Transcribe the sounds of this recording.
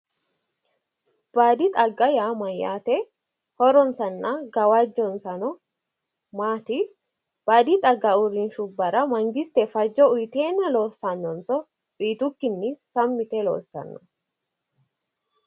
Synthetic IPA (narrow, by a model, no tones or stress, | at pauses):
b̥aːd̪ɪt̪ʼɐɡːɐjaːmɐja̰ːt̪ɛ | hɔɾɔnsɐnːɐɡɐwɐd͡ʒːɔnsɐnɔ | maːt̪ɪ | b̥aːd̪ɪt̪ʼɐɡːɐʊɾɪnʃʊbːɐɾɐmɐŋɡɪst̪ɛfɐd͡ʒːɔʊjt̪eːnːɐlo̞ːsːɐnːɔnsɔ | iːt̪ʊkːɪnːɪsɐmːɪt̪ɛlo̰ːsːɐ̰nːɔ